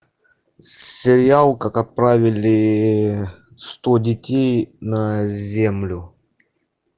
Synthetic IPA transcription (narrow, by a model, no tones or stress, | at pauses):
sʲɪɾʲɪalˠkakɐt̪̚pɾavʲɪlʲɪ | st̪odʲɪtʲejnəzʲe̞mlʲʊ